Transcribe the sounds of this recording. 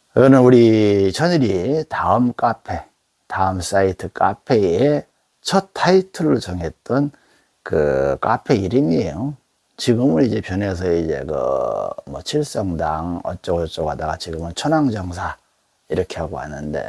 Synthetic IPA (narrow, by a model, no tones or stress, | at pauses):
iɡʌnɯnuɾit͡ɕʰʌɲiɾitaɯmk͈apʰe̞ | taɯms͈aitʰɯk͈apʰe̞e | t͡ɕʰʌt̚tʰːaitʰɯɾot͡ɕʌŋe̞t̚t͈ʌn | kɯ̰k͈apʰe̞iɾiŋiejo | t͡ɕiɡɯmɯnid͡ʑe̞pjʌne̞s̬ʰʌid͡ʑe̞̰kɯ̰mwʌ̰t͡ɕʰiɭs͈ʌŋdaŋʌ̰t͡ɕ͈ʌɡʌt͡ɕ͈ʌɡadaɡat͡ɕiɡɯmɯnt͡ɕʰʌnaŋd͡ʑʌŋsʰa | iɾʌkʰe̞ɦhaɡohanːɯnde̞̰